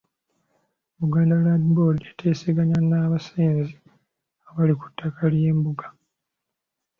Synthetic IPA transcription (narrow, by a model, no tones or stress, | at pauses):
muɡaːndaladibodetʰeːseɡaɲanːaːβaseːnzi | aβaliku̥tːakaljeːmbuɡḁ